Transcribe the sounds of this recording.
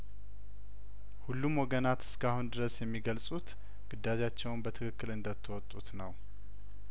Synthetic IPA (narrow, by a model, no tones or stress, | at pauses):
hulːumwɔɡənat̪ɨ̥skʰahund̪ɨɾəsjɛmːiɡəlsʼut̪ | ɡ̥ɨd̪ːad͡ʒat͡ʃːɛwnbət̪ʰɨkʰɨkːɨlɨnd̪ət̪ʰːɨwɔt̪ʼːut̪nəw